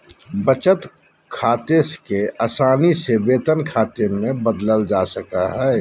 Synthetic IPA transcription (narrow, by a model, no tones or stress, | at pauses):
bət͡ʃət̪kʰaːt̪eskeaːsaːnisebeːt̪ənkʰaːt̪eɾmẽbəd̪ləld͡ʒaːsəkaɦɛː